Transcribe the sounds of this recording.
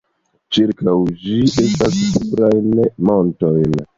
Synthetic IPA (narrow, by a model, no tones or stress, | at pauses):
t͡ʃiɾkawd͡ʒiʔe̞stassupɾajnmontojn